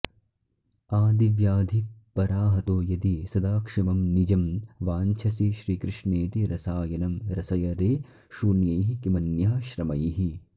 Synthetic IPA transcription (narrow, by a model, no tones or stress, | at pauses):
aːd̪iʋjaːd̪ʱipɐɾaːɦɐt̪oːjɐd̪isɐd̪aːkʂimɐmnid͡ʒɐmʋaːɲt͡ʃʰɐsiʃɾiːkɾɪʂneːt̪iɾɐsaːjɐnɐmɾɐsɐjɐɾeː | ʃunjɐjɦikimɐnjaːʃɾɐmɐjɦi